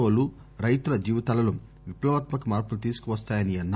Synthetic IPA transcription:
oːlu | ɾɐjt̪uɾɐd͡ʒiːʋit̪ɐːlɐlu | ʋiplɐʋɐt̪mɐkumaːɾpulut̪̬iːsu̥kuʋɐst̪aːjɐniɐnːɐ

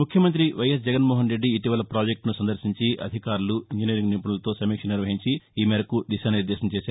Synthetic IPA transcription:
ukʰjɐmɐnt̪̬ɾiʋɐjɐs̬d͡ʒɛɡɐnmoːɦɐnɾeɖːiːʈiʋɐlɐpɾaːd͡ʒek̚ʈnusɐnd̪ɐɾsiɲt͡ʃiʔɐ̰d̪ʱikaːɾuluiɲd͡ʒiniɾiŋɡniːpɐɳɐlɐt̪o̞ːsɐmiːkʂɐnɐniɾʋɐɦiɲt͡ʃiiːmeːɾɐkud̪iʃaːnɐniɾd̪ɛːʃɐmt͡ʃeːsaː

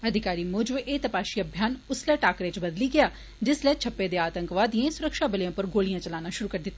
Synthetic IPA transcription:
əd̪ʱɪkaːɾiːmʊːd͡ʒəbʔeːt̪əpaːʃiːəbʱjaːnʊslɛːʈaːkɾeːt͡ʃbəd̪liːɡɪjaː | d͡ʒɪslɛːt͡ʃʰɐpːed̪eaːt̪ə̃ŋkʋaːd̪iãːsʊɾəkʃaːbɪljãːpəɾɡoːlijãːt͡ʃɐlaːnãːʃʊɾuːkɐɾd̪ɪt̪ːaː

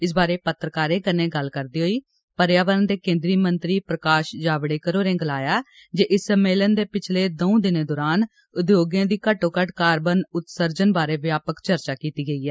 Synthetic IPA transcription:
ɪs̬baːɾeːpət̪ɾəkaːɾeːkənẽːɡəlkəɾd̪iːɦoːiː | pəɾjaːʋəɾənd̪eːkẽːnd̪ɾiːmənt̪ɾiːpɾəkaːʃd͡ʒaːʋɽeːkəɾoːɾẽːɡəlaːjaː | d͡ʒeːʔɪsəmeːlənd̪eːpɪt͡ʃʰleːd̪oũd̪ɪnẽːd̪ɔːɾaːn | ʊd̪joːɡjãːd̪iːkəʈoːkəʈkaːɾbənʊt̪səɾd͡ʒənbaːɾeːʋjaːpəkt͡ʃəɾt͡ʃaːkiːt̪iːɡəiːɛː

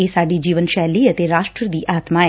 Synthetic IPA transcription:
eːsaːɖiːd͡ʒiːʋənʃɛːliːət̪eːɾaːʃʈɾəd̪iːʔaːt̪maːeː

